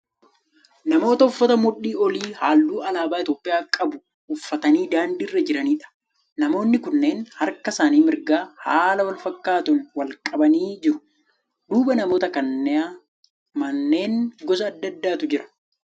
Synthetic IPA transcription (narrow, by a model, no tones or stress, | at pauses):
nɐmo̞ːt̪ɐʊfːɐt̪ɐmʊɗːiːɔliːhaːlːuːɐlaːbaːɪt̪o̞ːpʼːɪjaːkʼɐbʊ | ʊfːɐt̪ɐniːd̪aːnd̪iːrːɐd͡ʒɪɾɐniːᶑɐ̥ | nɐmo̞ːnːɪkʊnːe̞ːnhɐɾkɐsaːniːmɪɾɡaːhaːlɐwɐlfɐkːaːt̪ʊnwɐlkʼɐbɐniːd͡ʒɪɾʊ̥ | d̪uːbɐnɐmo̞ːt̪ɐkɐnːɛaː | mɐnːe̞ːŋɡɔs̬ɐːd̪ːɐd̪ːaːt̪ʊd͡ʒɪɾɐ̥